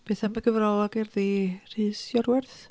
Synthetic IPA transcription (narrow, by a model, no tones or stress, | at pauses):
b̥eθamaɡəvrɔlˠɔɡɪrðir̥ɨːsjɔrwɛrθ